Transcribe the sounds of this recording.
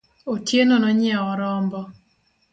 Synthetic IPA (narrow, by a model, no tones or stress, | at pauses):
otjenonɔɲɪaɔɾɔmbɔ